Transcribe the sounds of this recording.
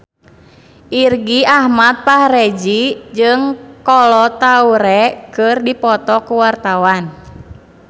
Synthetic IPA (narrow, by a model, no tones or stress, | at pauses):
ʔirɡiahmat̪̚pahɾed͡ʒid͡ʒɨŋkɔlɔt̪auɾɛkɨrdipɔt̪ɔkuwart̪awan